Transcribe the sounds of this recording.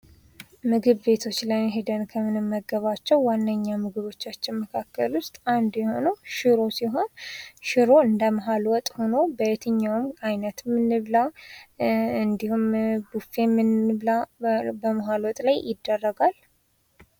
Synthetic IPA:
mɨɡɨβbe̞t̪ʰo̞t͡ʃːlajɦed̪ənkʰəmɨnɨmːəɡːəβat͡ʃːɛwːanːəɲːamɨɡɨβo̞t͡ʃːat͡ʃːɪnməkʰakːəlwʊst̪ʼand̪jɛho̞nəʃɨɾo̞siɦo̞nʃɨɾo̞ɨnd̪əməɦalwɔt̪ʼho̞no̞bəjɛt̪ʰɨɲːawmajnət̪mɨnːɨβla | ɨnd̪ihumbufe̞mɨnβlabəməɦalwɔt̪ʼlajʔɪd̪ːərːəɡal

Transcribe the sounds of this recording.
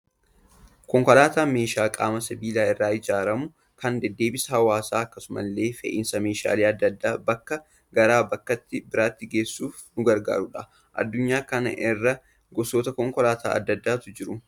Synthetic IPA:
kɔŋkɔlaːt̪aːme̞ːʃaːkʼaːmɐsɐbiːlaːɪrːaːɪd͡ʒaːɾɐmʊ | kɐnd̪ɛd̪ːe̞ːbɪsɐhɐwaːsaːɐkːɐsʊmɐ̰lːe̞ːfɛ̰ʔɪnsɐmeːʃa̰ːleːɐd̪ːɐd̪ːaːbɐkːɐ | ɡɐɾaːbɐkːɐt̪ːɪbɪɾaːt̪ːɪɡe̞ːsːuːf | nʊɡɐɾɡa̰ːɾʊᶑɐ | ʔɐ̰d̪ːʊɲːaːkɐnɐ̰ʔɪrːɐ | ɡɔsoːt̪ɐkɔŋkɔlaːt̪ʰa̰ːɐ̰d̪ːɐd̪ːaːt̪ʊd͡ʒɪɾʊ

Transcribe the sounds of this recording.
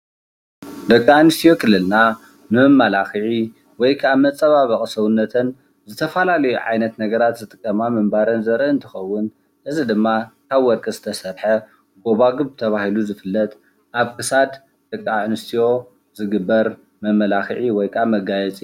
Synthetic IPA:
d̪ɐkʼːaʕnɨst̪ʰijo̞kʰɨlːɨlna | mɨɐmːalaxɨʕi | wɔjkʰaβmɐt͡sʼːɐβaβɐχʼsɐwɨnːɐt̪ʰɐn | zɨt̪ʰɐfalalɐjuʕa̰jnɐt̪nɐɡɐɾat̪zɨt̪ʼɨkʼːɐmamɨmbaɾɐnzɐɾɐɨnt̪ʰɨ̥xɐwːʊn | ʔɨzid̪ɨmːakʰaβwɔɾkʼɐzɨt̪ʰɐsɐβħɐ | ɡo̞βaɡɨβt̪ʰɐβahiluzɨfɨlːɐt̪ | ʔaβkʰɨsad̪ | d̪̥ɐkʼːaʕnɨst̪ʰijo̞ | zɨɡɨbːɐɾ | mɐmːɐlaxɨʕiwɔjkʰamɐɡajɛt͡sʼi

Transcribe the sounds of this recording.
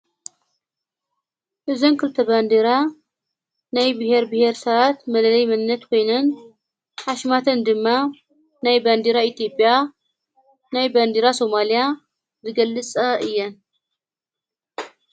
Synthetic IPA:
ʔɨzonkʰɨlt̪ʰɐband̪iɾa | najbɨheɾbɨheɾsɐβat̪mɐlɐlɐjmɐnɨnːɐt̪kʰo̞jnɐn | ħaʃmat̪ʰɐnd̪ɨmːa | najband̪iɾait̪ʰijo̞pʼːja | najband̪iɾaso̞malija | zɨɡɐlːɨt͡sʼɐʔɨjːɐn

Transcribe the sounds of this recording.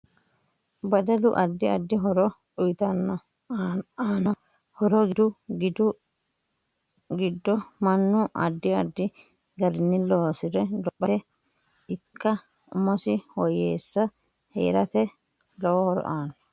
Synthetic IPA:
bɐd̪ɐlʊʔɐd̪ːɪɐd̪ːɪɦɔɾɔ | ʊjt̪ɐnːɔ | aːnɔ | hɔɾɔɡɪd̪ʊɡd̪ʊ | ɡɪd̪ːɔmɐnːʊʔɐ̰d̪ːɪɐd̪ːɪ | ɡɐɾɪnːɪloːsɪɾɛlɔpːɐɛ | ɪkːɐ | ʊmɔsɪhɔjeːsːɐ | hḛːɾɐt̪ɛ | lɔwɔhɔɾɔ̰ʔaːnːɔ

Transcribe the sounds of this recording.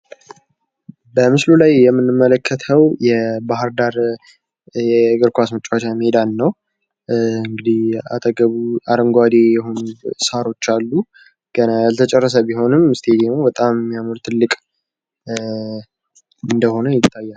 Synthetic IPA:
bəmɨslulajːɛmːɨnːɨmːələkʰːət̪ʰəwjɛbaɦɨɾd̪aɾ | jɛɡɨɾkʷasmɨt͡ʃʼːwat͡ʃamed̪anːəw | ɨŋɡɨd̪ia̰t̪ʰəɡəβuaɾəŋɡʷad̪e̞jɛɦo̞nusaɾo̞t͡ʃːalːu | ɡ̥ənajalt̪ʰət͡ʃʼɛrːəs̬əbiho̞nɨmɨst̪ʰe̞d̪emobət̪ʼammːijamɨɾt̪ʰɨlːɨkʼ | ɨnd̪əho̞nəjɪt̪ʰːajːal

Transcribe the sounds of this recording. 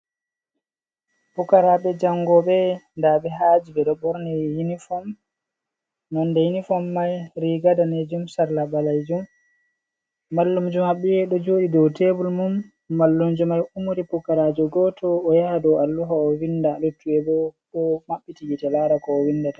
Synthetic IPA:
pukaɾaɓɛd͡ʒaŋɡɔɓɛndaɓɛɦaːd͡ʒibɛɗɔbɔɾnɛhinifɔm | nɔndɛhinifɔmːajɾiɡadaned͡ʒumsaɾlabalajd͡ʒum | alːumd͡ʒumaɓijɛɗɔd͡ʒoːɗidɔwtebulmumː | alːumd͡ʒumajumuɾipukaɾad͡ʒɔɡɔtʰɔːjahadɔwalːuɦaɔwindalutːuɛbɔɓɔmaɓːitijitɛlaɾakɔːwinːdata

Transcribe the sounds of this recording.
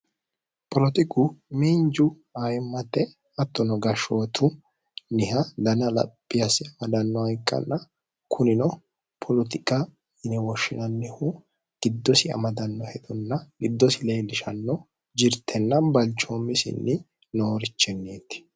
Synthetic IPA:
pɔlɔt̪ɪkʊmind͡ʒʊ | ajɪmːɐt̪ːɛ | ɐt̪ːɔnɔɡɐʃoːt̪ʰʊ | nɪhɐd̪ɐnɐlɐ̰pʼːɪjɐsɪɐmɐd̪ɐnːɔɐjkʼːɐ̰nːɐ | kʰʊnɪnɔ | pʰɔlɔt̪ɪkʼa | ɪnɛwɔʃːɪnɐnːɛhu | ɡ̥ɪd̪ːɔsɪɐ̰mɐd̪ɐnːɔhɛd̪ɔnːɐɡ̥ɪd̪ːɔsɪlejlɪʃɐnːɔ | d͡ʒɪɾt̪ʰːɛnːɐnbɐlt͡ʃːomːɪsɪ̰nːɪ | noːɾɪt͡ʃːɛnːeːt̪ːɪ̥

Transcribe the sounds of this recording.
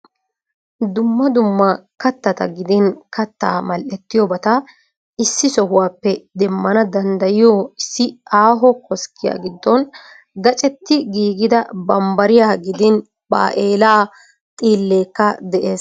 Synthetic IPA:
d̪ʊmːɐd̪ʊmːɐkɐt̪ːɐt̪ɐ̰ɡɪd̪ɪnkʰɐt̪ːa̰ːmɐlʔɛt̪ːɪjɔbɐt̪ɐ | ɪsːɪsɔɦʊwaːpːɛd̪ɛmːɐnɐd̪ɐnd̪ɐjɪjoːɪsːɪaːɦɔkɔskʰːɪja̰ːɡɪd̪ːɔn | ɡɐt͡ʃʼɛt̪ːɪɡiːɡɪd̪ɐbɐmbɐɾɪjaːɡɪd̪ɪn | ba̰ːʔeːlaː | t̪ʼiːlːeːkːɐd̪ɛʔeːs

